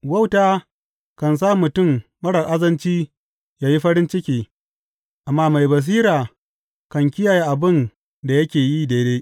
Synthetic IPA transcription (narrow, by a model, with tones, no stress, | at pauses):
wɐ˦wtaː˦ | kɐ˨ns̬aː˦mʊ˨tʊ˦˨mmɐ˦ɽɐ˨ʔa˦zɐ˦nt͡ʃiː˦ | jaː˦ji˦ɸɐ˦ɾɪ˦nt͡ʃɪ˦kʲiː˨ | ʔa˨mːaː˦ma˨jbɐ˨s̬iː˦ɾaː˨ | kɐ˨ŋkʲɪ˦jaː˨ja˦ʔa˨bɪ˦˨n | da˨jɐ˦kʲeː˨jiː˦deː˦deː˦ʔ